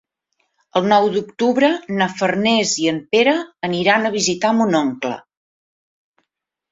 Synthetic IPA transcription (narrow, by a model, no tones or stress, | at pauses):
əlˠnɔwd̪ukt̪uβɾənəfərnɛziəmpeɾəːniɾanəβ̞izit̪amunɔŋklə̰